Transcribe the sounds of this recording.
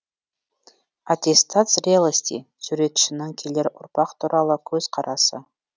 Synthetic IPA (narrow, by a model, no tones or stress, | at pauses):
at̪ʲe̞st̪at̪srʲelˠəsʲt̪ʲḭ | suɾe̞t̪ʏ̥ʃɪnɪŋkʲʰeleɾʊ̰ɾpɑqt̪ʰuɾʔɑlˠəkʲʰɵz̥qʰɑɾɑsə